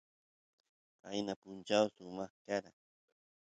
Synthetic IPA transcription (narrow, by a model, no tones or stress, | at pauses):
a̰jnapʊnt͡ʃawsʊmɑχkaɾaŋ